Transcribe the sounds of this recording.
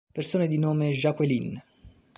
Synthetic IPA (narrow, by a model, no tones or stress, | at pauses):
persoːned̪inoːmeʒakwelin